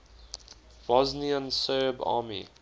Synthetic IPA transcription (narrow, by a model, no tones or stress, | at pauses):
v̥ɔzniə̃nsɜːbɑ̰ːmḭ